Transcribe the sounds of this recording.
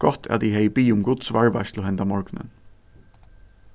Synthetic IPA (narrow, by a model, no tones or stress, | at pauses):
ɡ̥ɔt̪ʰæ̰ːd̪iːhœʏbiːʊmɡʊd̪sʋɑɹʋæ̰slɔɛnd̪ɑmɔɹɡ̥nə̰n